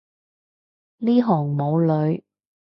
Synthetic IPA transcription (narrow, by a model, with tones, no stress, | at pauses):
liː˥ɦɔː˨˩ŋmo˨˧wlɵ˨˧ɥ